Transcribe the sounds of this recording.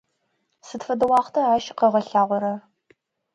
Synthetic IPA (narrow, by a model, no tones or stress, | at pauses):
sɨtfɐdɐwɑːχtʰɐaːʃqɐʁɐɬaːʁʷɔɾɐ